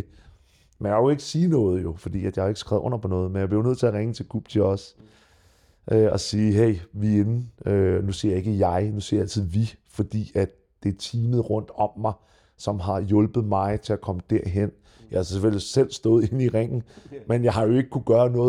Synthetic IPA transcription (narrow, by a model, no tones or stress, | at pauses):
menjakoe̝ɡ̥əsiːnɔ̽ːð̞̩ˠjo̝fɒ̽d̥ḭːæd̥jɑheɡ̥əsɡ̥ʁaðʊ̰ɔ̽n̰ɐpʰɒ̽nɔ̽ːð̞̩ˠmenjäb̥leoʊnøð̰ˠt͡sʰe̝æʁeŋət͡sʰe̝lɡ̥ṵːb̥̚t͡sʰe̝ɒ̽s | ʔøɒ̽siːɦeɪ̰ʋie̝nønusiɐje̝ɡ̥əjɑ̈ɪnusiɐjæl̰t͡sʰið̞ˠʋifɒ̽d̥ḭːæd̥ | d̥e̝t͡sʰiːmð̩ˠʁɔ̽n̰d̥ɒ̽mːɑ̈ɪ | sɒ̽mɦɑ̈jɔ̽lb̥ð̞̩ˠmɑ̈ɪt͡sʰe̝lækʰɒ̽məd̥æɐ̰ɦen̰ | jɑɪhɑsseføl̰jisel̰sd̥ɔ̽ːð̩ˠe̝niʁeŋ̰n̩menjɑ̈ɪhɑ̈jo̝e̝ɡ̥ə̥kʰuɡ̥ɶːɐnɔ̽ːð